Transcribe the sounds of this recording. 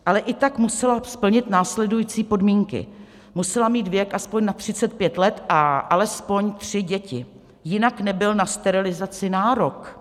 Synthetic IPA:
ʔalɛʔɪt̪akmusɛlaspl̩ɲɪt̪naːslɛdujiːt͡siːpo̞dmiːŋkɪ̰ | musɛlamiːd̪vjɛkʔaspo̞ɲnat̪r̝̥ɪt͡sɛt̪̚pjɛt̪lɛt̪ʔaʔalɛspo̞ɲt̪r̝̥ɪɟɛcɪ | jɪnaknɛbɪlnast̪ɛɾɪlɪzat͡sɪnaːɾo̞k

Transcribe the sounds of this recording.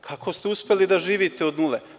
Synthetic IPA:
kʰakʰost̪euspʲelid̪aʒiːʋit̪eod̪nule

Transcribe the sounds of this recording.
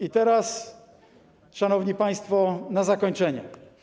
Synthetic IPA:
it̪ɛɾas | ʂanɔvɲipaj̃st̪fɔnazakɔɲt͡ʂɛɲɛ̰

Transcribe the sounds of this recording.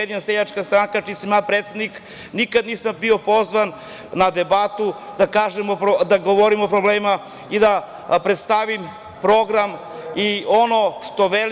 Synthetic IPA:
jed̪inaseʎat͡ʃkast̪ɾaŋkat͡ʃisamjaːpɾeːt̪se̞d̪nik | nikad̪niːsambio̞po̞zʋan | nad̪ebat̪ud̪akaːʒemopod̪aɡoʋoɾimo̞pɾobleːma | id̪a | pɾet̪st̪aʋim | pɾo̞ɡɾam | io̞noʃt̪o̞ʋel

